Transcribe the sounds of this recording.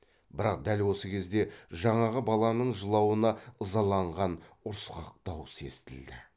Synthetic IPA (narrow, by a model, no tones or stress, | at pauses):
bɪɾɑqd̪ælwo̞səkʲʰe̞zd̪e̞ʒɑɴɑʁəbɑlˠɑnəɴʒəlˠɑwənɑəzɑlˠɑɴʁɑnʊɾsqɑq̚t̪ɑwse̞̰st̪ɪld̪ɪ